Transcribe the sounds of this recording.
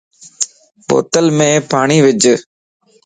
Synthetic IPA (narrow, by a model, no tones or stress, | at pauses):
ɓo̰ːt̪əlmẽːpaːɳ̃iːʋɪd͡ʒ